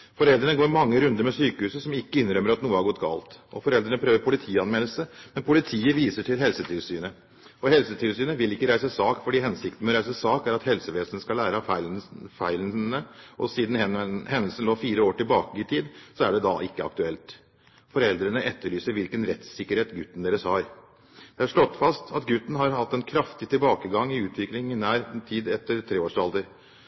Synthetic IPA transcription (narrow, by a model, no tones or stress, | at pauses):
fɔɾɛld̪ɾəɳəɡoːɾmɑŋːəɾʉnd̪əɾmɛsyːkəhʉːsəsɔmɪkːəɪnɾœmːəɾɑt̪nuːəhæɾɡɔt̪ːɡɑ̰ːlt̪ʔɔ̰fɔɾɛld̪ɾəɳəpʰɾøːʋəɾpʰʊlɪt̪ʰiːɑnmɛləlsəmɛnpʰʊlɪt̪ʰiːəʋiːsəʈʰɪlɦɛlsət̪ʰɪlsyːnə | ɔhɛlsət̪ʰɪlsyːnəʋɪlɪkːəɾæɪsəsɑːkfɔɖiːhɛnsɪkt̪n̩mɛɔɾæɪsəsɑːkæɾɑt̪hɛlsəʋeːsənəskɑlæːɾəɑffæɪlnəʔɔ̰siːd̪n̩hɛnːəlsən̩loːfiːɾəoːʈɪlbɑːkəɪt̪ʰiːd̪sɔæɖɛd̪ɑʔɪkːəɑ̰k̚t̪ʉɛlt̪ | fɔɾɛld̪ɾənəʔɛt̪ːəɭyːsəɾʋɪlkənɾɛt̪sɪkːəɾheːt̪ɡʉt̪ːn̩d̪eːɾəshɑɾ | d̪̥ɛæʂɭɔt̪ːfɑst̪ʰɑt̪ɡʉt̪ːn̩hɑɾhɑt̪ːɛnkʰɾɑft̪ɪt̪ʰɪlbɑːkəɡɑŋːɪʉːt̪ʰʋɪklɪŋɪnæːɾt̪ʰiːd̪ɛt̪ːəɾt̪ʰɾeːoːʂɑld̪əɾ